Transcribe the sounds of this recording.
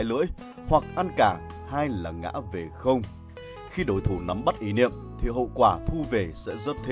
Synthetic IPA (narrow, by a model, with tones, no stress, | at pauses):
jlɨ̰˧˥əj | hwa˨˩k̚ʔa˧nkaː˧˩ | haː˧jlaː˨˩ŋa̰ː˧˥ve˨˩xə˧wŋ͡m | xi˧ɗo˨˦jt̪ʰu˧˩na˨˦mɓa˦˥t̚ʔi˨˦nḭ˧˨əmt̪ʰi˨˩ɦə̰˧˨kwaː˧˩t̪ʰu˧ve˨˩sɛ̰˧˥zə˦˥t̚t̪ʰe˧˦